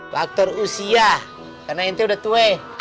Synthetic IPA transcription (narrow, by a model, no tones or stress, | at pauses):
fak̚t̪ɔrusia | karnaint̪ɛudaht̪ue